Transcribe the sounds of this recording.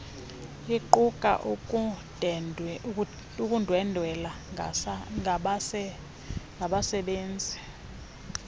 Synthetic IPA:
jiǃukʼa̰ʔu | ukʼundʱwɛndʱwɛla | ɓ | ŋɡʱaɓasɛɓeːnd͡zʱi

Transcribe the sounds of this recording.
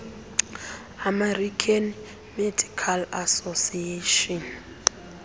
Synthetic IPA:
amɛrikʰan | medʱikʰalasosieʃɔn

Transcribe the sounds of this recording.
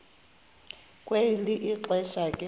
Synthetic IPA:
kʼweliʔiǃɛʃakʼɛ

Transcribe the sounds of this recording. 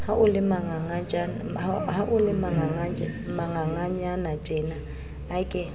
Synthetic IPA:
haʔʊlɪmaŋaŋat͡ʃʼanhaʔʊlɪmaŋaŋamaŋaŋaɲanat͡ʃʼɛna | akʼɪ

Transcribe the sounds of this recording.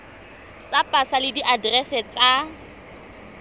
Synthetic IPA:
t͡sʼapʼasalɪdiʔadrɛsɛt͡sʼa

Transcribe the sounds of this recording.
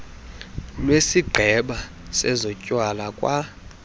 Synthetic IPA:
lwesiɡ͡ǃʱɛɓa | sɛzɔcʼwalakʼwa

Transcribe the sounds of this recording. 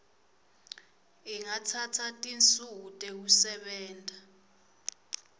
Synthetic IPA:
iŋatʰatʰatʼint͡sʼuutʼɛk̬usɛɓɛːntʼa

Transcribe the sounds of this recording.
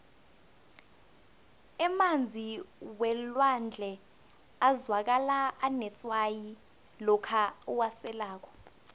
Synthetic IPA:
ɛmand͡zʱiwɛlwand͡ɮʱɛ | azwak̬alaːnɛt͡sʼwaji | lɔkʰauwasɛlaːk̬ʰɔ̥

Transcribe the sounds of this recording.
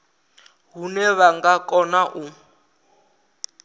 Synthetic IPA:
ɦunɛβaŋɡakʼɔnaʔu

